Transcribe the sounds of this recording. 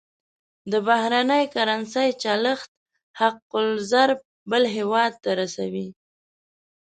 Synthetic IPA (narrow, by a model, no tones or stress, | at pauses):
d̪əbahɾanəjkaɾansəjt͡ʃɑləxt̪̚ | haqːʊlzaɾb̚ | bəlɦewɑd̪̚t̪aɾasawi